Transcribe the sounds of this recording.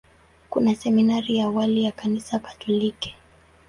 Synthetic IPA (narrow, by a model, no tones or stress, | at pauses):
kunasɛminaɾijawalijakanisakḁtulikɛ̥